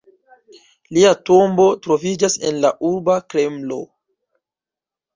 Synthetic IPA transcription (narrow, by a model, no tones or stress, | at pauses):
liato̞mbo̞tɾo̞vid͡ʒase̞̰nlaʔuɾbakɾe̞mlo̞̰